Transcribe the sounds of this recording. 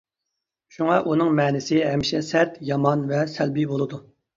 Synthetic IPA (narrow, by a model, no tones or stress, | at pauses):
ʃuŋɑʔunɨŋmɛːnɪsɪɦɛmʃɛsɛt̪jɑmɑnvɛsælbibolˠɨd̪u